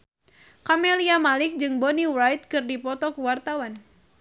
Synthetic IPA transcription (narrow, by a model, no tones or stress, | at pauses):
kameliamalɪk̚d͡ʒɨŋboniwɾajt̪̚kɨrdipɔt̪ɔkuwart̪awan